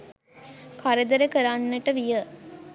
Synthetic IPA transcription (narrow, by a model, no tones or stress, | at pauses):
kʰaɾed̪əɾəkəɾanːəʈəʋijə